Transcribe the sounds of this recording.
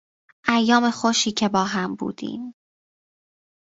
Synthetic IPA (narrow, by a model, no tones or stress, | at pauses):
ʔæjːɒːme̞xoʃiːcʰebɒːɦæmbṵːd̪̥ḭːm